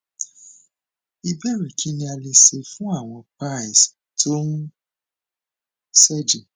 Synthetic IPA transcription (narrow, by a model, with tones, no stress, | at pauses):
i˧bɛ˦ɾɛ˨kʰi˨˦nĩ˦a˧le˧se˧fũ˦a˦˨w̃ɔ̃˧pa˦˨i˨stʰo˦nũ˦ | sɛ˦˨d͡ʒe˨